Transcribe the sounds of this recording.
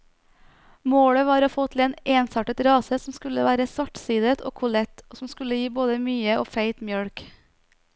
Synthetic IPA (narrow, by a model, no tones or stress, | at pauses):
moːɽəʋɑːɾoːfoːt̪ʰl̩eːneːnsɑːʈət̪ɾɑːsəsm̩skʉləʋæːɾəsʋɑʈsiːd̪ət̪ʰo̰ːkʰʊlɛt̪oːsm̩skʉləjiːboːd̪əmyːəʔoːfæɪt̪mjœɽk